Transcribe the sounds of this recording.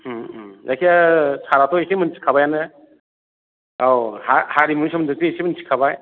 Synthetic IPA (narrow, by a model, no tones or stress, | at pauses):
zakʰijasaɾatʰɔesemɯnsʰi̥kʰabajanɯ | awhahaɾimuŋsamɯndɯk̚tiesemɯnsʰi̥kʰabaj